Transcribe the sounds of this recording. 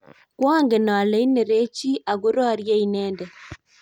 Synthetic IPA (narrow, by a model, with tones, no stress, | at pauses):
kwaː˦ŋɡe˨na˨le˦i˦ne˨ɾe˦t͡ʃi˦ʔa˨ɡo˦ɾɔ˦ɾje˦i˨nɛː˦ndɛ˨